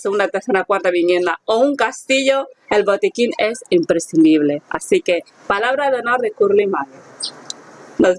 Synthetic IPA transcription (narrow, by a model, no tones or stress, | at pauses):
seunat̪eɾθenakwaɾt̪aβinjẽ̞nd̪aouŋkast̪iʎo̞e̞lβo̞t̪ikine̞simpɾesθind̪iβle̞a̰sike̞ | palaβɾaðonaɾðekuɾlimaɣe | no